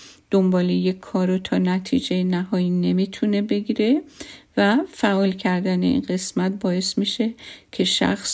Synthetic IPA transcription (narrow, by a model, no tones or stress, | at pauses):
d̪̥ombɒːlejekʰːɒːɾot̪ʰɒːnæt̪ʰḭːd͡ʒejenæhɒːjine̞mit̪ʰune̞be̞ɡiːɾe̞væfæʔɒːlcʰæɾd̪æne̞̰ḭnɢe̞smæt̪̚bɒːe̞smiːʃe̞cʰe̞ʃæ̰xs